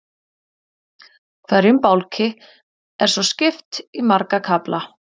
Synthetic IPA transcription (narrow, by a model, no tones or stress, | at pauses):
kʰvaɾʏmpawlcʰɪ | ɛɾ̥sɔscɪft̪imaɾkakʰapla